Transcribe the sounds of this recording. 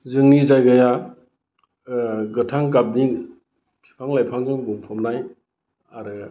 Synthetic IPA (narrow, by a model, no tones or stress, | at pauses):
zɯŋnizajɡaja | ɡɯtʰaŋk̬ap̚ni | kʰi̥pʰaŋlajpʰaŋzɔŋbuŋpʰɔmnaj | aɾɯ